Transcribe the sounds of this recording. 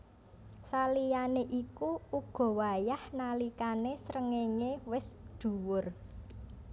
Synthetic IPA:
salijaneʔikuuɡ̥ɔ̤wajahnalikanesɾəŋeŋewɪsɖ̪̥ṳwʊr

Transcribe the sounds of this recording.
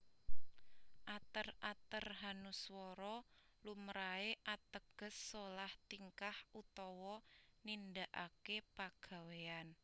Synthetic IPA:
ʔat̪ərat̪ərɦanuswɔɾɔ | lumɾaeʔat̪əɡ̥ə̤sːolaht̪iŋkahut̪ɔwɔnindaʔa̰kepaɡ̥a̤wean

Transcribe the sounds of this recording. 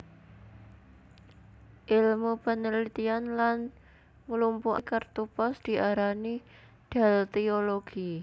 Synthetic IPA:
ʔilmupənəlit̪ianlan | ŋəlumpuʔkərt̪upɔsd̪̥i̤ʔaɾani | d̪̥a̤lt̪ioloɡ̥i

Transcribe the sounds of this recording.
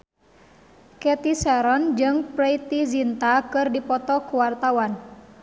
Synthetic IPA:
kɛt̪isɛɾɔnd͡ʒɨŋpɾɛit̪izint̪akɨrdipɔt̪ɔkuwart̪awan

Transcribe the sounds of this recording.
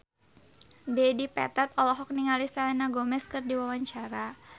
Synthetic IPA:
dɛdipɛ̰t̪at̪ɔlɔɦɔk̚niŋalist̪alɛnaɡomɛskɨrdiwawaɲt͡ʃaɾa

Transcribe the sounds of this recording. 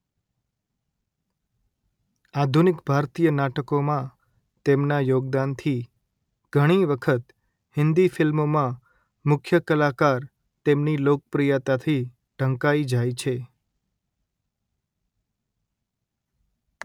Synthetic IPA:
ad̪ʱunɪkbʱaɾt̪ijənaʈəkomã | t̪emnajoɡ̚d̪ant̪ʰi | ɡ̥ʱəɽ̃iʋəkʰət̪ | hɪnd̪ifɪlmomã | mʊkʰjəkəlakaɾ | t̪emnilok̚əpɾijat̪at̪ʰi | ɖ̥ʱəŋkaid͡ʒajt͡ʃʰe

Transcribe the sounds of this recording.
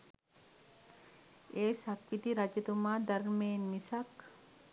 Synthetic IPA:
ʔeːsɐkːɪt̪iɾɐd͡ʒɛt̪ʊmaːd̪ɐɾmeːnmɪsɐkː

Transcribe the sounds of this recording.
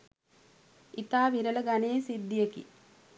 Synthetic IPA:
it̪aːʋiɾələɡaneːsid̪ːijəkḭ

